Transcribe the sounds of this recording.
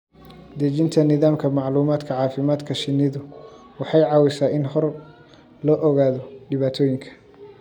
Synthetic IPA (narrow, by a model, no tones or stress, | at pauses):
d̪ɐt͡ʃɪnt̪ʰɐnɪðaːmkʰɐmɑʕluːmaːd̪kʰɐʕɑːfɪmaːd̪kʰɐʃɪnːɪðʊ | wɑħɑjʕɑːwɪsaːɪnhɔr | lɔːʔɔɣaːðɔɖɪβaːt̪ʰɔːjɪŋkʰɐ̥